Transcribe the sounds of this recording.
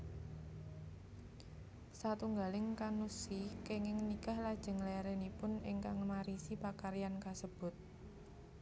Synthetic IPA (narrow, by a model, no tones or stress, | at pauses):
sat̪uŋɡalɪŋkanusikeŋɪŋnikahlad̥ʒ̥ə̤ŋlaaɾenipʊnɪ̰ŋkaŋmaɾisipakaɾijankasəb̥ʊ̤t̪̚